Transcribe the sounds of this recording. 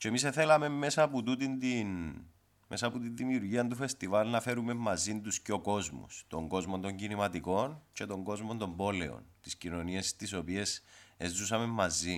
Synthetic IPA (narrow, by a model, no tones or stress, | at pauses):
cemiseθelɐme̞mmːe̞sɐput̪ut̪ind̪in | mʔesɐput̪inðimiuɾʝiɐnt̪ufe̞st̪ivɐlnɐfe̞ɾume̞mːɐzint̪usceo̞ko̞zmṵst̪o̞ŋɡo̞zmo̞nt̪o̞ɲɟinimɐt̪iko̞nce̞t̪o̞ŋɡo̞zmond̪o̞mbo̞le̞̰o̞̰nt̪iscino̞niest̪iso̞pie̞sezːusɐme̞mːɐzi